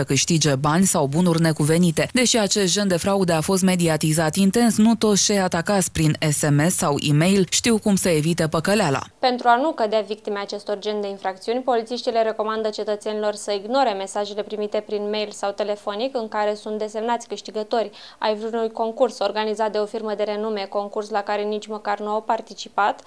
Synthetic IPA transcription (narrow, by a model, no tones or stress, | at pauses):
səkɨʃt̪id͡ʒe̞banʲsawbunurʲne̞kuve̞nit̪e̞d̪e̞ʃiat͡ʃe̞st̪̚d͡ʒe̞nd̪e̞fɾaud̪e̞afo̞st̪me̞d̪iat̪izat̪int̪e̞nsnut̪o̞t̪st͡ʃejat̪akat̪sʲpɾine̞se̞me̞sːawḭme̞jlʃt̪iwkumsəe̞vit̪epəkəleala̰pe̞nt̪ɾuanukəd̪eavik̚t̪imeat͡ʃe̞st̪o̞rd͡ʒe̞nd̪e̞infɾakt̪siunʲpo̞lit̪siʃt̪ile̞ɾe̞ko̞mand̪ət͡ʃe̞t̪ət̪se̞nilo̞rsəiɡno̞ɾe̞me̞saʒe̞le̞pɾimit̪e̞pɾinme̞jlsawt̪e̞le̞fo̞nikɨŋkaɾe̞sunt̪̚d̪e̞se̞mnat̪sʲkɨʃt̪iɡət̪o̞rʲ | a̰jvɾunujko̞ŋkurso̞rɡanizat̪̚d̪e̞o̞firməd̪e̞ɾe̞nume̞ko̞ŋkurslakaɾe̞nit͡ʃʲməkarnuawpart̪it͡ʃipat̪